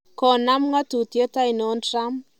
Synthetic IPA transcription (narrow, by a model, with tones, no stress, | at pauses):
kɔ˨na˦mŋa˦tu˨tje˦ta˦i˨nɔ˨˦nra˦m